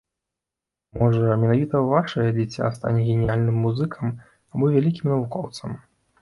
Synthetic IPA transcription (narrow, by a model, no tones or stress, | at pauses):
mɔʐɐmʲɛnavʲit̪ɐvaʂɐjɐd͡zʲit͡sʲːa̰st̪a̰nʲɛɣʲenʲijalʲnɨmːuzɨkʰɐm | abɔvʲalʲikʲimnɐvukɔwt̪sɐm